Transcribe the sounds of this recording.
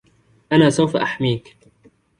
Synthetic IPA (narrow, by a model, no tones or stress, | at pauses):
ʔanaːsawfaʔaħmiːk